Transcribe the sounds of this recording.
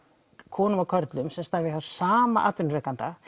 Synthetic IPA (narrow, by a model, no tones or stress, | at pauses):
kʰɔːnʏmawkʰœɾt̪lʏmsɛmst̪aɾvɪawsaːmaʔa̰ːt̪vʏnɾɛhkant̪a